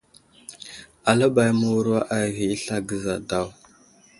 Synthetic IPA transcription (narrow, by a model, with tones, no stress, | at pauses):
a˨la˦ba˨jmu˨wɾa˦ʔa˨ɣi˨˦ɬa˦ɡə˨za˨da˦˨w